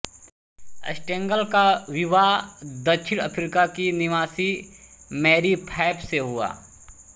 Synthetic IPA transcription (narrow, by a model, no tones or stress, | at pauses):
ɐ̰sʈẽːŋɡəlkaʋɪʋad̪ɐkʃʰɪɽ̃əpʰɾikakinɪʋaːsimɛːɾipʰaːpseɦʊa̰ː